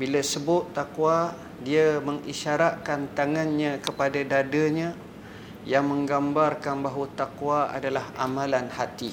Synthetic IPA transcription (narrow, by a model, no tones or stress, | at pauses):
bilasəbʊt̪t̪ːakwa | diaməŋiʃaɾaʔ̚kant̪aŋanɲãkəpadadadaɲã | jaŋmə̃ŋɡambarkanbaɦwat̪akwaa̰dalahamãlanhat̪i